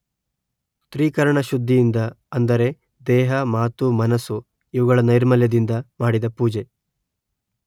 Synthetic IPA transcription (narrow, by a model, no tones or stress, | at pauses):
t̪ɾiːkɐɾɐɳɐʃud̪ʱːijind̪ɐ | ɐnd̪ɐɾe̞ | d̪ɛːɦɐmaːt̪umɐnɐsu | iʋuɣɐɭɐnɐjɾmɐljɐd̪ind̪ɐmaːɽid̪ɐpuːd͡ʒe